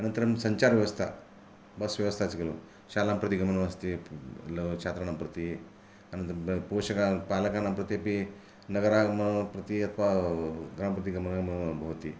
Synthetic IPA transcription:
ɐnənt̪əɾsɐɲt͡ɕaɾʋjɐʋɐst̪ʰa̰ | bɐsʋjɐʋəst̪ʰat͡sikelṵ | ɕalampɾɐt̪iɡɐmənɐmɐst̪ilət͡ʃʰat̪ɾanampɾɐt̪i | ɐnə̃nt̪ɾpoɕɐkapalɐkanãmpɾɐt̪iɐpi | nɐɡəɾamɐpɾɐt̪iɐt̪ʰʋaɡɾampɾɐt̪iɡɐmnɡɐmbʱɐʋt̪ḭ

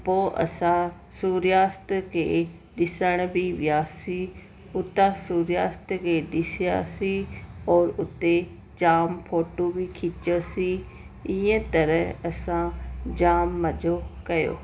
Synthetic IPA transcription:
poːʔə̰sãː | suːɾjaːst̪kḛː | ɗɪsəɽ̃biːʋjaːsiː | ʊt̪ãːsuːɾjaːst̪keːɗɪsja̰ːsiːɔːɾʊt̪ːeː | d͡ʒaːmpʰoːʈoːbiːkʰɪt͡ʃoːsiː | ɪẽːt̪əɾəəsãːd͡ʒaːmːəd͡ʒoːkəjo̰ː

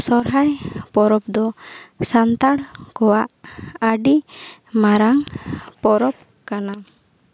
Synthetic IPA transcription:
sɔɾɦajpɔɾɔp̚d̪ɔsant̪aɽkɔwaʔəɖimaɾaŋpɔɾɔp̚ | kana

